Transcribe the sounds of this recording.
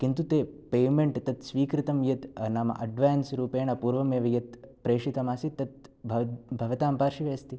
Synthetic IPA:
kint̪ut̪eːpeːmeɳʈt̪ɐt̪sʋiːkɾɪt̪ɐmjɐt̪naːmɐ̰ʔɐ̰ɖʋaːnsɾuːpeːɳɐpuːɾʋɐmeːʋɐjɐt̪pɾeːʂit̪ɐmaːsit̪ːɐt̪̚bʱɐbʱɐʋɐt̪aːmpaːɾʃiʋeːɐst̪i

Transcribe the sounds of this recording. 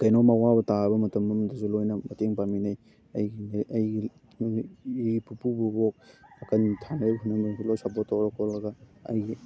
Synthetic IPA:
kɐjnomawabɐtabɐmɐtɐmɐmdɐzulojnɐmɐteŋpaminɐj | ɐjɡinɐjɡi | ipupububok̚ɐkɐntʰanaɦunːɐŋdɐsulojsapɔtːoɾakʰolɐɡɐɐ̰jɡi

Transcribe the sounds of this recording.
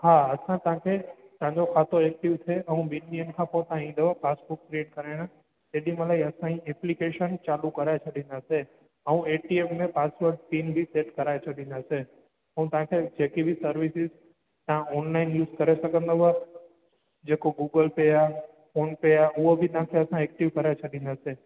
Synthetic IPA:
ɦaːɐsãt̪əãkʰet̪ɐ̃ãɲd͡ʑokʰaːt̪oek̚ʈɪʋt̪ʰeʔɐũbiniənkʰãpõt̪ãĩːn̆d̪oʋapaːsbuk̚pɾieːʈkɐɾaɪɽ̃ã | eːɗĩməlaiɐsãĩɛplikeʃənt͡ʃaːlukɐɾaet͡ʃʰɐɗĩnd̪aːse | ɐũeːʈiemmẽpaːsʋəɾɖsiːnbʱiseːʈkɐɾaːet͡ʃʰɐɗĩnd̪ase | əɦũt̪ãkʰed͡ʒekibʱisəɾʋisiz | t̪ãɔnlainjuːzkəɾɛʃəkə̃nd̪əʋa | d͡ʒekoɡuɡəlpeja | fonpejauobʱinãkʰeəsãek̚ʈiʋkəɾat͡ʃʰəɗĩnase

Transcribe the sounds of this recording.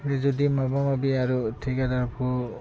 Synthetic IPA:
ɾɛzɔdimabamabiaɹutʰikadapʰɔ

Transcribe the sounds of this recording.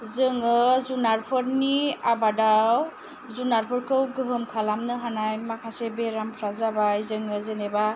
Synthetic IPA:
zɯŋɯzunaɾpʰɯɾniabadaw | zunaɾpʰɯɾkʰɯwɡɯɦɯmkʰalamnɯɦanajmakʰasebeɾampʰɾazabajzɯŋɯzeneba

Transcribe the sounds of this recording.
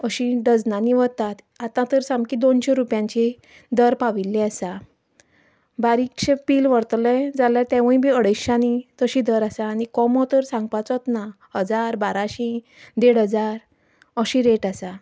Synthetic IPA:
əɕĩɖəd͡znaniʋəɾt̪at̪ | at̪ãt̪əɾsamkid̪onɕeɾupjãɲt͡ɕi | d̪əɾpaʋilːiasa | baɾikɕepilʋəɽt̪lɛ̃d͡zaljaɾt̪ɛ̃ʋə̃ĩbʱiəɽəjɕanit̪əɕĩd̪əɾasaːnikɔmɔt̪əɾsãŋɡpat͡sɔt̪na | ɦəd͡zaɾbaɾaɕĩ | d̪eɽɦəd͡zaɾ | əɕĩɾeʈasa

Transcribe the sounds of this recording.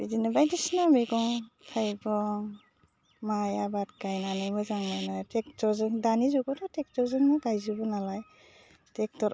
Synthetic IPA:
bidinɯbajdisnameɡɔŋtʰajɡɔŋ | majabat̚kajnanɯjmɯzaŋmajnatek̚tɔzɯŋdanizɔɡɔdɔtek̚tɔɾzɯŋnɯɡajzɯbɔnalaj | tek̚tɔɾ

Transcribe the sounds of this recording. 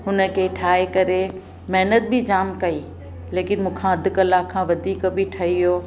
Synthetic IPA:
ɦʊnə̆kʰeːʈʰaːekɐɾe | mɛɦnət̪̚bɪd͡ʑaːmkɐiː | leːkɪnmũːkʰãːɐd̪ʱɪ̆kɐlakʰːãːʋɐd̪ʱiːkbɪʈʰɐɦijoː

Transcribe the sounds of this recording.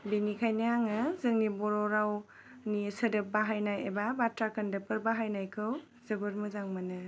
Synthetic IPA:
binikʰajnajaŋɯzɯŋnibɔɾɔɾaw | nisɯdɯp̚baɦajnajebabatɾakɯndɯpɯɾbaɦajnajkʰɯw | zɯbɯɾmɯzaŋmanɯ

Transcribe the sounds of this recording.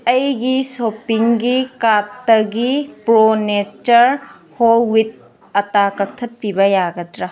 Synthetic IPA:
ɐjɡisopiŋɡikatːɐɡipɾonet͡ʃɐɾ | howit̚ | ɐtakɐk̚tʰɐt̚pibɐjaɡɐdɾɐ

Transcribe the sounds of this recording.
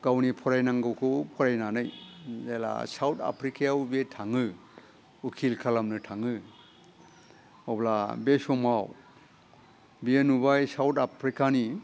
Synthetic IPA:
ɡ̥awnipʰɔɾajnaŋɡɯwkʰupʰɔɾajnanɯjzela̰sawta̰pʰɾikʰijaubetʰaŋɯ | ukʰilkʰalamnɯtʰaŋɯ | awblabesɔmaw | bienubajsawtapʰɾikani

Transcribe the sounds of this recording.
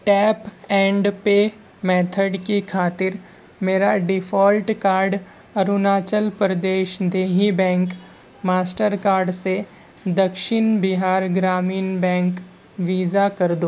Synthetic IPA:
ʈɛːpɛ̃ːɳɖpeː | mɛːt̪ʰəɖkikʰaːt̪ɪɾ | meːɾaɖɪfʰɔːlʈkaːɾɖ | ɐɾʊnaːt͡ʃəlpɾɐd̪eːʃd̪eːɦibɛ̃ːŋk | maːsʈəɾkaːɾɖse | d̪ɐkʃɪnbɪɦaːɾɡɾaːmiːnbɛ̃ːŋk | ʋiːzakɐɾd̪oː

